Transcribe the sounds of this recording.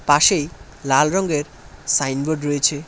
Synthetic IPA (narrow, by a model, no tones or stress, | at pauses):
paʃej | lalɾɔŋɡeɾ | sajnboɖɾojet͡ɕʰe